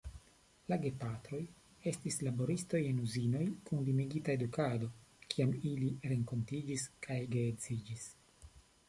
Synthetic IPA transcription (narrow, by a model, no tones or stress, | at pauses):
laɡe̞patɾo̞j | e̞stislabo̞ɾisto̞je̞nuzino̞jkunlimiɡitae̞dukado̞kʰiamiliɾe̞ŋko̞ntid͡ʒiskʰajɡeːt͡sid͡ʒis